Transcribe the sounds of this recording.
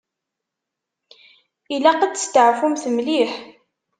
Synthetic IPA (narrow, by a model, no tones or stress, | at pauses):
ilæqəd̪st̪əʕfumθəmliħ